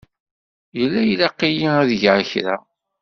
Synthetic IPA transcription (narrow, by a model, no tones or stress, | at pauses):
jəlːæjlaqːijiæðʝʕaçɾæ